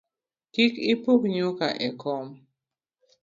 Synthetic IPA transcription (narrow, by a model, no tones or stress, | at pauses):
kikipukɲokaʔɛkɔm